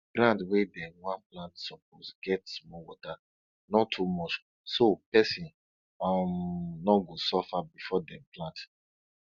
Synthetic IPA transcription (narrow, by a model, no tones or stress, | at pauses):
ɡɾãndwedɛwãnplãntsɔposɡɛtsmɔwɔta | nɔtʰːumɔt͡ʃ | sopɛsĩn | amnɔɡosɔfabifɔdɛ̃plãnt